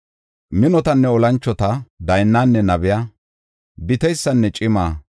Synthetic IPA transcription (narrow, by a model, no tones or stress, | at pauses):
mɪnɔt̪ɐnːɛɔlɐnt͡ʃːɔt̪ɐd̪ɐjnːaːnːɛnɐβɪjɐ | bɪt̪ɛjsːɐnːɛt͡ʃʼɪmaː